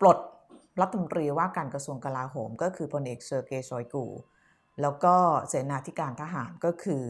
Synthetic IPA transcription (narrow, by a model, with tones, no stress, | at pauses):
plo˨˩t̪̚ | ɾa˦˥t̪ʰːmo˧nt̪ɾiː˧waː˥˩kaː˧nkɾa˧su˧əŋka˧laː˧ɦoː˩˦mkɔː˥˩kʰɯː˧pʰo˧nʔeː˨˩k̚sɤː˧keː˧sɔː˨˦jkṵː˧ | lɛː˦˥wkɔː˥˩seː˩˦naː˧t̪ʰi˦˥kaː˧nt̪ʰa˦˧ɦaː˩˦nkɔː˥˩kʰɯː˧